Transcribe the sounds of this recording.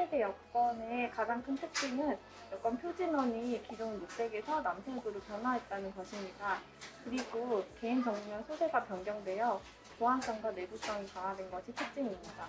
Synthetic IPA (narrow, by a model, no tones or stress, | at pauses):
ede̞jʌk̚k͈ʌnekad͡ʑaŋkʰɯntʰɯk̚t͡ɕ͈iŋɯn | jʌk͈ʌnpʰjod͡ʑinʌɲikid͡ʑoŋmok̚s͈e̞ɡe̞sʰʌnamsʰeɡɯɾopjʌnwaɦet̚t͈anɯnɡʌɕʰimɲida | kɯɾiɡoke̞ind͡ʑʌŋumjʌnsʰosʰe̞ɡapjʌŋɡjʌŋdwe̞jʌ | t͡ɕoɦans͈ʌŋɡwane̞bus͈ʌŋikaŋadwenɡʌɕʰitʰɯk̚t͡ɕ͈iŋimɲida